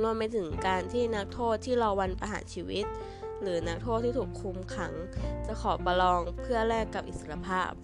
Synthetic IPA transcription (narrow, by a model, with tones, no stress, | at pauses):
lu˧əmːa˧jt̪ʰɯ˩˦ŋkaː˧nt̪ʰiː˥˩na˦˥k̚t̪ʰoː˥˩t̪ʰːiː˥˩ɾa˧wa˧npɾa̰˧ɦa̰ː˩˦nt͡ɕʰiː˧wi˦˥t̪̚ | ɾɯː˩˦na˦˥k̚t̪ʰoː˥˩t̪ʰːiː˥˩uː˨˩kʰu˧mkʰa̰˩˦ŋt͡ɕa˨˩kʰɔː˩˦pa˧lɔː˧ŋpʰɯ˥˩ɐɾɛː˥˩kːa˨˩p̚ʔi˨˩t̪̚sa˧ɾa˧pʰaː˥˩p̚